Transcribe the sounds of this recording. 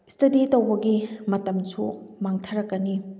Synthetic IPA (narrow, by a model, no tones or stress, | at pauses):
istʰɐditɐwbɐɡimɐtɐmsumaŋtʰɐɾɐkːɐni